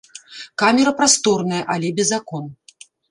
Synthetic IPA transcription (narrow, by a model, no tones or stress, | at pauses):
kamʲɛɾɐpɾast̪ɔrnɐjɐʔalʲɛbʲɛzːakɔn